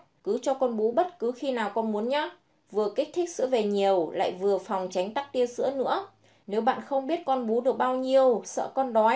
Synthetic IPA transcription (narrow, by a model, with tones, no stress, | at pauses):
kɨ˨˦t͡ɕɔ˧kɔ˧nɓu˨˦ɓə˦˥t̚kɨ˨˦xi˧naː˨˩wkɔ˧nmu˨˦ənɲa˨˦ | vɨ˨˩əkï˦˥k̚t̪ʰï˦˥k̚sɨ̰˧˥əve˨˩ɲi˨˩əwla̰ː˧˨jvɨ˨˩əfa˨˩wŋ͡mt͡ɕa˨˦jŋ̟t̪a˦˥k̚t̪i˧ənsɨ̰˧˥ənɨ̰˧˥ə | ne˨˦wɓa̰ː˧˨nxə˧wŋ͡mɓi˦˥ət̚kɔ˧nɓu˨˦ɗɨ˨˩ək̚ɓaː˧wɲi˧əwsə̰ː˧˨kɔ˧nɗɔ˨˦